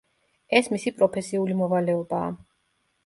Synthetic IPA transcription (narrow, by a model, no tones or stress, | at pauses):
ɛsmisipʼɾɔpʰɛsiulimɔvalɛɔba̰ː